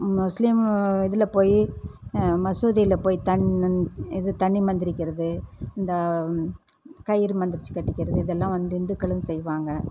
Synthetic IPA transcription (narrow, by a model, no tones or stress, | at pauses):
mʊslɪmɪðɪlɐpoːji | mɐsuːðɪjɪlɐpoːjt̪ɐɳ | ɪðɯt̪ɐɳːimɐnd̪ɪɾɪkʲːɪɾɐðɯɪnd̪ɐ | kɐjɪɾmɐnd̪ɪɾɪt͡ʃːɯ̥kːɐʈːɪkʲːɪɾɐðɯɪðɛlːãːʋɐnd̪ɯɪnd̪ɯkːɐɭɐnsɛjʋaːŋɡɐ